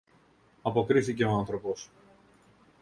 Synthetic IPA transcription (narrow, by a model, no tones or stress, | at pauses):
ɐpo̞kɾiθice̞oanθɾo̞po̞s